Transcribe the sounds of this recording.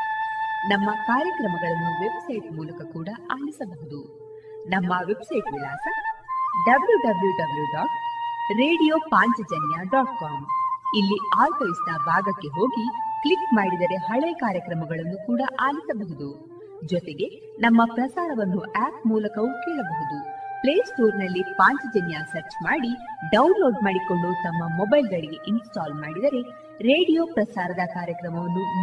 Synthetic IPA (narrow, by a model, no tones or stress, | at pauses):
nɐmːɐkaːɾjɐkɾɐmɐɡɐɭɐnːuʋe̞bsɐjʈmuːlɐkɐkuːɽɐʔaːlisɐbɐɦud̪u | nɐmːɐʋe̞bsɐjʈʋilaːsɐɖɐbljuɖɐbljuɖɐbljuɖaːʈ̚ɾeːɽijoːpaːɲt͡ʃɐd͡ʒɐnjaɖaːʈ̚kaːmilːiaːɾpɐjsnɐbʱaːɡɐkːe̞ɦo̞ːɡikɭikmaːɽid̪ɐɾe̞ɦɐɭekaːɾjɐkɾɐmɐɡɐɭɐnːukuːɽɐʔaːlisɐbɐɦud̪u | d͡ʒɔt̪e̞ɡe̞ | nɐmːɐpɾɐsaːɾɐʋɐnːuʔaːp̚muːlɐkɐʋukɛːɭɐbɐɦud̪upleːsʈoːɾnɐlːipaːɲt͡ʃɐd͡ʒɐnjasɐɾt͡ʃmaːɽiɖɐwnlo̞ːɖmaːɽiko̞ɭɖut̪ɐmːɐmɔbɐjlɡɐɭiɡe̞ʔinsʈaːlmaːɽid̪ɐɾe̞ | ɾe̞ːɽijo̞ːpɾɐsaːɾɐd̪ɐkaːɾjɐkɾɐmɐʋɐnːu